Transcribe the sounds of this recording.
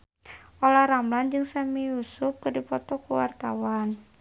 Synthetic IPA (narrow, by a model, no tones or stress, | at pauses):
ɔlahɾamland͡ʒɨŋsamijusʊp̚kɨrdipɔt̪ɔkuwa̰rt̪a̰wan